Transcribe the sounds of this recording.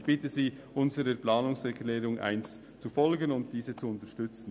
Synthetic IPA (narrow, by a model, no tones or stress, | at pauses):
çb̥ɪtəziː | ʔʊnzəɾəplɑːnʊŋsɛɾkʰlɛːɾʊŋʔa̰ɪns | t͡sufɔlɡənʊnt̚d̥iːzət͡suʊntəʃtʏt͡sn̩